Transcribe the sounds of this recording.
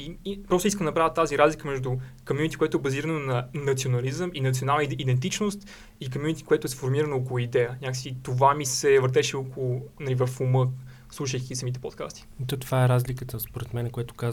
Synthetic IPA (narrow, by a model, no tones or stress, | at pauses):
iipɾɔst̪ʊis̬kəmnɐpɾavʲjət̪ːaziɾazlikəmɛʒd̪ʊkomjunit̪i̥koɛt̪ʊɛbɐziɾənonɐnɐt̪sionɐlizəminɐt̪sionalˠnəid̪ɛnt̪it͡ʃnost̪ | ikomjunit̪ʲi̥koɛt̪ʊɛfoɾmiɾənookolˠuid̪ɛjəɲʲakəsiit̪ovamisɛvəɾt̪ɛʃɛokolˠʊnɐlivəfumɤ | slˠuʃ̬əjkʲisəmit̪ɛpot̪ka̰st̪i̥t̪ɔt̪ovaɛɾazlikət̪əspoɾɛt̪mɛnɛkoɛt̪ʊ̥kaz